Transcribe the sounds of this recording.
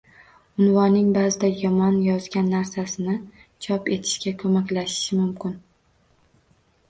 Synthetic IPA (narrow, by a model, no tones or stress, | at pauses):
ʊnvɒnːɪŋbaːzɪd̪ajɒmɒnjɒzɡʲanːaɾsasɪnɪ | t͡ʃʰɒpe̞t̪ʰɪ̥ʃkʲakʰɵmakʲlaʃɪ̥ʃɪmʊmkʲɪn